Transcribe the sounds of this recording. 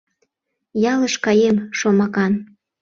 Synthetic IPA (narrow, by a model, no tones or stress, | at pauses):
jɑləʃkɑjemʃomɑkɑn